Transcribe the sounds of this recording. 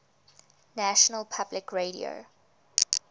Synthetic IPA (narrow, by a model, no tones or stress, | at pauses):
næʃɔnəlpʰablɪkʰɹeɾḭo̰